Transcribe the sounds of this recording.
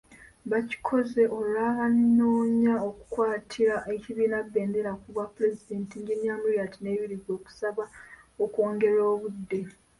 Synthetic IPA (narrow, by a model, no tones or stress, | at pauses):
βaci̥kʰo̞ze̞ʔolaβanːo̞ːɲaoku̥kwaːtʰiɾaʔe̞ciβiːnabːe̞ːnde̞ɾakuβwapːuɾe̞zide̞ːntiɲɡinjaːmiɾijatine̞ːβiɾiɡo̞ːku̥saβaoko̞ːŋɡe̞ɾo̞ːβudːe̞